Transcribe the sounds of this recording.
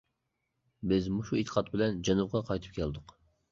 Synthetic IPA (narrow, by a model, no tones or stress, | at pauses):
bɪzmuʃuit̪ʰə̥qʰɑt̪̚bɪlɛnd͡ʒɛnub̚ʁɑqʰɑjt̪ʰɨ̥p̚kʲʰɛld̪ʊq